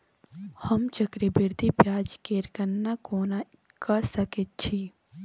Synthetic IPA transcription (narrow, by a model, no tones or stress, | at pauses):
həmt͡ʃəkɾebiɾd̪ʱipjaːd͡ʒkeːɾkənːakoːna | kəsəket̪̚t͡ʃʰi